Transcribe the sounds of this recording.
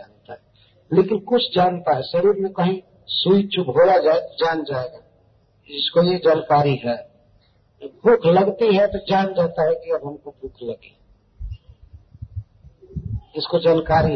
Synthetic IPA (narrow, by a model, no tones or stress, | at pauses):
aːnt̪aɦɛ | lekɪnkʊt͡ʃʰd͡ʒaːnt̪aɦɛʃəɾiɾmẽkəɦĩ | suit͡ʃʰubʱolad͡ʒaːet̪od͡ʒaːnd͡ʒaeɡa | ɪskojed͡ʒaːnkaːɾiɦɛ | bʱʊkʰləɡt̪iɦɛt̪od͡ʒaːnd͡ʒat̪aɦɛkiəbɦəmkobʱʊkʰləɡi | ɪskod͡ʒaːnkaːɾiɦ